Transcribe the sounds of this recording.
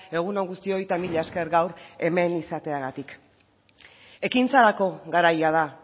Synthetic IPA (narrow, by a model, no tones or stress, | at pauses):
e̞ɣ̞uno̞ŋɡust̪io̞jt̪amiʎaeske̞ɾɡawɾe̞me̞nisat̪e̞aɣat̪ik | e̞kint͡saɾako̞ɣaɾajað̞a